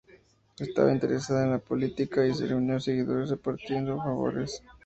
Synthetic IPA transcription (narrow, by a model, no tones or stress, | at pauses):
est̪a̰βa̰int̪eɾesaðaenlapo̞lit̪ikais̬ḛreunjose̞ɣiðo̞ɾesrepaɾt̪je̞nd̪ofaβo̞̰ɾes